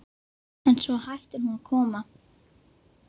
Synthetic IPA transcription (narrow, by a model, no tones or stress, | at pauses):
ɛnsvɔhajht̪ɪɾhunkʰɔːma